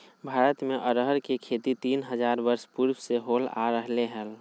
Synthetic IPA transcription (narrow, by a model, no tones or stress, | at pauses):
bʱaːɾət̪meʔəɾɦəɾkekʰet̪it̪iːnɦəd͡ʒaːɾbəɾspuɾbseɦoːla̰ɾəɦleɦɛl